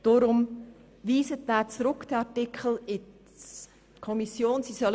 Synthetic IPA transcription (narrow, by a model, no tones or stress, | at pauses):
d̥oɾʊm | viːsət̚dæːt͡sɾʊkd̥ɑtɪkʰl̩ɪ | kʰɔmisjoːnsisœl